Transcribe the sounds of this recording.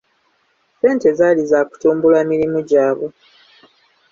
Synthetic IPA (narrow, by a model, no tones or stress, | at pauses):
se̞ːnte̞zaːlizaːku̥tuːmbulaːmiɾimuɟaːβo